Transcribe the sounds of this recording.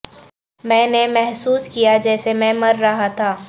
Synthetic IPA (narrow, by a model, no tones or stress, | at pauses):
mɛ̃ːnemɛɦsuːskijad͡ʒɛːsemɛ̃mɐɾːɐɦat̪ʰaː